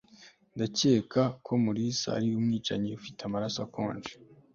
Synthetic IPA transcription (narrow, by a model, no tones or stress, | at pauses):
ndace̞ːkʰakʰo̞muɾisa̰a̰ɾiumŋiːt͡ʃaɲeufitamaɾasakʰo̰ːɲd͡ʒe̥